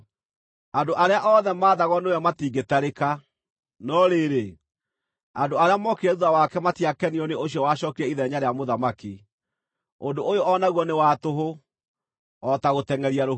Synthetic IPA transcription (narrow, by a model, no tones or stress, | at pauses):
andoʔaɾeaʔɔðɛmaːðaɣɔnejɔmatiːŋɡetaɾeka | nɔɾeɾe | andoaɾeamɔkeɾɛðuðawakɛmatiakɛniɔneoɕjɔwaɕɔkiɾɛiðɛɲaɾeamoðamaki | ondoʔojoʔɔnaɣwɔnewatoɦo | ɔtaɣotɛŋɛɾiaɾo